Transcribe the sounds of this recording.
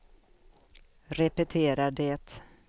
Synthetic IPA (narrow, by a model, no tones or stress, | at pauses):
ɾɛpɛt̪ʰeːɾaɖɛːt̪